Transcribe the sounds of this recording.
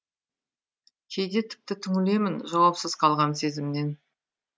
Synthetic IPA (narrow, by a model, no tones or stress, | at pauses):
kʲʰejd̪e̞t̪ʰɪ̥p̚t̪ɪt̪ʰʏŋʲɪle̞mɪnʒɑwɑpsəz̥qʰɑlˠʁɑnse̞zɪmne̞n